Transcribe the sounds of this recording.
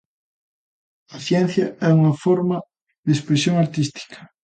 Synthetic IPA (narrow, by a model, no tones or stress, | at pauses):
ɐθjɛnθjɐɛuŋɐfoɾmɐ | ðespɾesjoŋaɾt̪ist̪i̥kʰɐ̥